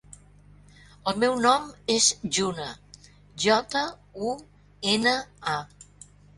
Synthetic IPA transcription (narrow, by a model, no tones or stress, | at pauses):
əlˠmɛwnɔmezʒunə | ʒɔt̪ə | u | enəa